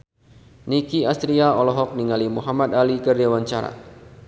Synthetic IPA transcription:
nikiast̪ɾiaɔlɔɦɔk̚niŋalimuɦamat̪alikərdawaɲt͡ʃaɾa̰

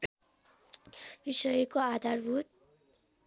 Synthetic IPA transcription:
bisʌjʌkoad̪ʱarbʱut̪̚

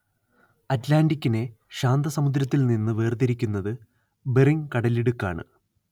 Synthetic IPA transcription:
ɐtlaːɳɖikʲːine̞ | ɕaːnd̪ɐsɐmud̪ɾɐt̪ːilninːɨʋeːrd̪ɐɾikʲːunːɐðɨ | beriŋkɐɽɐleɽukːa̰ːɳɨ̰

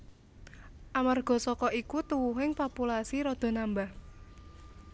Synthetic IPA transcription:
ʔamarɡ̥ɔ̤sɔkɔikut̪uwuɦɪŋpɔpulasiɾɔd̪̥o̤nambah

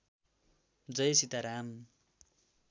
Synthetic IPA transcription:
d͡zʌjsit̪aɾam

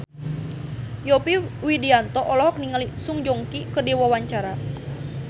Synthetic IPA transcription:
jɔpiwidiant̪ɔʔɔlɔhɔk̚niŋalisuŋd͡ʒɔŋkikədiwɔwaɲt͡ʃaɾa

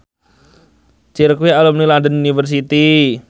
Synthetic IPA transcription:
t͡ʃiɾkwialʊmnilandənunifərs̬it̪i

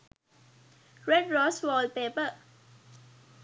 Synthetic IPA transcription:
ɹɛdɹɔswɔlpepə

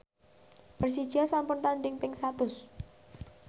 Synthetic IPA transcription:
pərs̬id̥ʒ̥asampʊnt̪aɳɖɪŋpɪŋsat̪ʊs

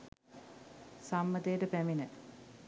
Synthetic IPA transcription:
samːəd̪ejːʈəpæminə

